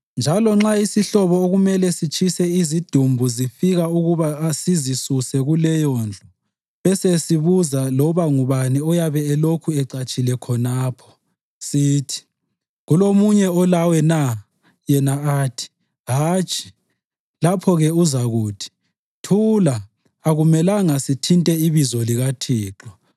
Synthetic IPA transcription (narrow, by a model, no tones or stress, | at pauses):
nd͡ʒʱalɔŋ͡ǁaisiɬɔβɔoɣumɛlɛsit͡ʃʰʼisɛizid̥ʱumbʱuzifiɣauɣuβasizisusɛɣulɛjɔnd͡ɮʱɔ | βɛsesiβuzalɔβaŋuβaniɔjaβɛːlokʰuɛǀat͡ʃʼilɛkʰɔnaːpʰɔ̥ | siːtʰi̥ | ɣulomuɲɛɔlawɛna | jɛnaaːtʰi̥ | ɦaːt͡ʃʼi̥ | lapʰɔɣɛuzaɣuːtʰi̥ | tʰulaː | ɣumɛlaŋasitʰintʼɛiβizɔliɣatʰiːǁɔ